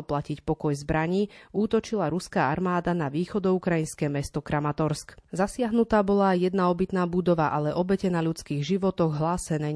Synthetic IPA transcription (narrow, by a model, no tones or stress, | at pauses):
placicpɔkɔjzbɾaɲiːuːt̪ɔt͡ʃilaɾuskaːaɾmaːd̪anaʋiːxɔd̪ɔukɾajinskɛːmɛst̪ɔkɾamat̪ɔɾskzasɪaɦnut̪aːbɔlaajjɛd̪naɔbit̪naːbud̪ɔʋaʔalɛʔɔbɛcɛnaʎut͡skiːɣʒiʋɔt̪ɔɣɦlaːsɛnɛː